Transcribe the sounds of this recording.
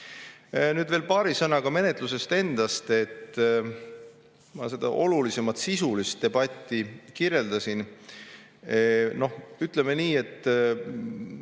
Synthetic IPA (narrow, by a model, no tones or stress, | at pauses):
nyːd̪ve̞ːlpɑːɾisɤnɑɡ̥ɑme̞ne̞t̪ˑluse̞st̪e̞nd̪̥ɑst̪e̞t̪ː | mɑ̰se̞d̪̥ɑ̰ʔo̞lulise̞mɑt̪sisulist̪̚ːe̞bɑt̪ʲːˑikiɾje̞ld̪̥ɑsin | no̞hyt̪ˑleme̞niːe̞t̪ːˑ